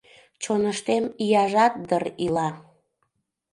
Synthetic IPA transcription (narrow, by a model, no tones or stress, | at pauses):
t͡ɕonəʃt̪emijɑʒɑt̪̚d̪ərilɑ